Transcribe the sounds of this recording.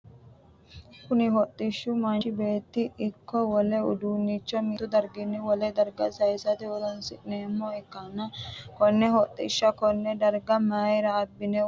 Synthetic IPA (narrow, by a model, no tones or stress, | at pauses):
kʊnɪɦɔt̪ʼːɪʃːʊmɐnɪbe̞ːt̪ːɪːkːɔwɔlɛʊ̰d̪uːnːit͡ʃːɔmit̪ːʊd̪ɐɾɡɪnːɪwɔlɛd̪ɐɾɡɐsɐjsɐt̪ɪwɔlɐnsɪʔneːmːɔɛkːɐnːɐkɔnːɛhɔt̪ʼːɪʃːɐkɔnːɛd̪ɐɾɡɐmaːjɾɐːbːɪnɛ